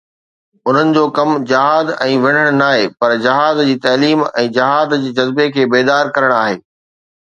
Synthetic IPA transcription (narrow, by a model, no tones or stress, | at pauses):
ʊn̤ənɪ̆d͡ʑoːkɐmd͡ʑɪɦaːd̪ɛ̃ːʋɪ̃ɽ̤əɽ̃naːɦeːpɐɾd͡ʑɪɦaːzd͡ʑiːt̪ɐːliːmɛ̃ːd͡ʑɪɦaːd̪d͡ʑeːd͡ʑɐzbekʰeːbeːd̪aːɾkɐɾəɽ̃aːɦeː